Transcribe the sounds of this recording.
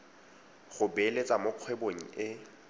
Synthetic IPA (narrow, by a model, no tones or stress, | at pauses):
ɣʊbelet͡sʼamoq͡χʰweboŋ̩ɪ